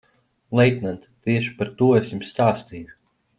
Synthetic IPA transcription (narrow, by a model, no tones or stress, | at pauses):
lˠɛjt̪ʲnant̪t̪iɛʃi̥paɾt̪uɔesjumst̪aːst̪iːju